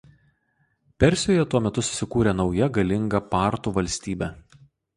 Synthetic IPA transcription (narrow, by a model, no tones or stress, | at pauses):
pʲɛɾʲsʲjoːjɛt̪uɔmʲɛt̪ʊsʊ̥sʲɪkuːɾʲeːnɒʊjɛɡɐlʲɪŋɡɐpɑːˑɾt̪uːʋɐlʲsʲt̪ʲiːbʲɛ